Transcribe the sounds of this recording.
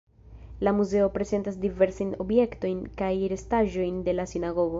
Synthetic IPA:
lamuze̞o̞pɾe̞ze̞ntasdive̞ɾsaino̞bje̞kto̞jnkajɾe̞staʒo̞jnde̞lasinaɡo̞ɡo̞

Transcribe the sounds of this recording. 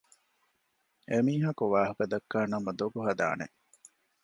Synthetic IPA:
emiːɦɐkuʋaːɦɐkɐd̪ɐkːaːnɐmɐd̪oɡuɦɐd̪a̰ːnḛ

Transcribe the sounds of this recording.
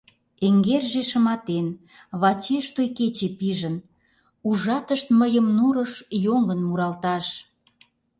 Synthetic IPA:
eŋɡerʒeʃə̆mɑt̪en | βɑt͡ɕeʃt̪ojket͡ɕepiʒən | uʒɑt̪əʃt̪məjəmnuɾəʃjoŋənmuɾɑlt̪ɑʃ

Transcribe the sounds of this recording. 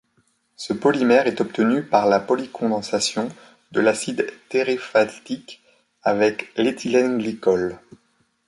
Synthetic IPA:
səpɔlimɛʁɛt̪ɔp̚t̪ənypaʁlapɔlikʰɔ̃d̪ɑ̃sasjɔ̃ | d̪əlasid̪t̪eʁefat̪ik | avɛklet̪ʰilɛ̃ɡlikɔl

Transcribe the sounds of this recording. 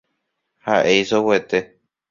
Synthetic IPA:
haʔe̞jsowet̪e̞

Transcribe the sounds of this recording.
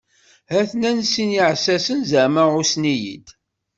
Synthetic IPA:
hæθnænsiniʕsæsənzəməusnijḭd̪

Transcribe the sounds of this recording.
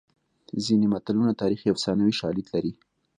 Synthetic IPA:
zinemat̪alunat̪ɑɾixjawsɑnawiʃɑlid̪laɾi

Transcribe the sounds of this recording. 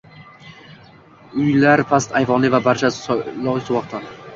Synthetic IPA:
ʊjlaɾpʰast̪ajvɒnlˠɪvabaɾt͡ʃʰalɒwswɒqt̪ʰa

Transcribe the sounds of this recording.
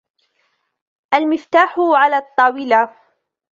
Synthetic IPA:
ʔalmɪft̪aːħʊʕalaːt̪ˤːɑːwɪla

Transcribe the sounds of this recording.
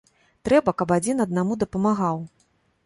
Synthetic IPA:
t̪ɾɛbɐkɐpad͡zʲinɐd̪̚namud̪ɐpɐmaɣaw

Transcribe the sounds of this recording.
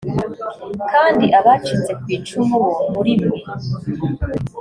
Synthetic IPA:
kaːndiʔaβaːt͡ʃit͡se̞kwiːt͡ʃumoβuhuɾimwe

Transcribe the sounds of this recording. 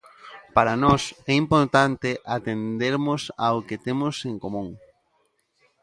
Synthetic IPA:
paɾanɔsɛimpoɾt̪ant̪eʔat̪end̪eɾmʊsaoket̪emʊseŋkomũŋ

